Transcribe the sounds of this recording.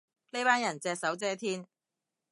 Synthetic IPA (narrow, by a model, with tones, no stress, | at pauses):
ne˥jpaː˥njɐ˨˩nt͡sɛː˧k̚sɐ˨˥wt͡sɛː˥t̪ʰiː˥n